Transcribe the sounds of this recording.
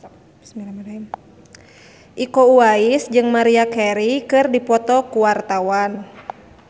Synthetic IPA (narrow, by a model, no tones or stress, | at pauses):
miɾmɾ | ʔikouaisd͡ʒɨŋmaɾiakɛɾikɨrdipɔt̪ɔkuwart̪awan